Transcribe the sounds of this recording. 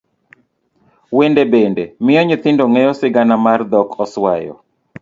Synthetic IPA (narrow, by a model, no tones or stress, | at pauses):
wendebendemɪjɔɲit̪ɪndoŋɛjɔsɪɡanamard̪ɔkɔswa̰jɔ̰